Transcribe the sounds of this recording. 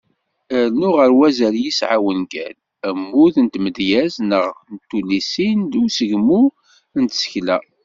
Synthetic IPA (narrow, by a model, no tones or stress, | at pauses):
ənʊʁəɾwæzæljisʕawənɡæ̰l | æmːuθənt̪məd̪jæznəʁnt̪ːulisind̪usəʝmu | ənt̪sə̥çlæ